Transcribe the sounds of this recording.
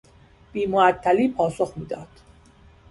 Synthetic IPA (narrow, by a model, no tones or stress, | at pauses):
b̥iːmoæt̪ʰːæliːpʰɒːsoxmiːd̪ɒːd̪̥